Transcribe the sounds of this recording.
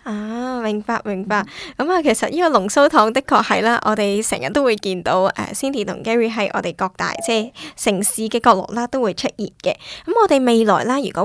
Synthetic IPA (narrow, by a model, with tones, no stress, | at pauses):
ʔaː˧˨˧mɪ˨˩ŋpaː˧k̚mɪ˨˩ŋpaː˧k̚kɐ˨˥maː˨kʰe˨˩jsɐ˨t̚jiː˥kɔː˧lʊ˨˩ŋso˥wt̪ʰɔː˨˧˥ŋt̪ɪ˥kʰːɔː˧k̚hɐ˨jlaː˥ʔɔ̰ː˨˧t̪e˨jsɛː˨˩ŋjɐ˨t̪ːo˥wuː˨˧jkiː˧nt̪o˨˧˥wʔɛ̰ː˨siː˥nt̪ʰiː˨˩t̪ʰʊ̰˨˩ŋkɛː˥ɹiː˨˥ɦɐ˨˥jʔɔ̰ː˧t̪e˨jkɔː˧k̚t̪a̰ː˨jt͡sɛː˥˧sɪ˨˩ŋsiː˨˧kɛː˧kɔː˧k̚lʊ̰˨˩k̚laː˥t̪o˥wuː˨˧jt͡ʃʰɵ˥t̚jiː˨t̚kɛː˧kɐ˨˦mɔː˨˧t̪e˨jme˨˧jlɔ̰ː˨˩jlaː˥jyː˨˩kɔ˨˥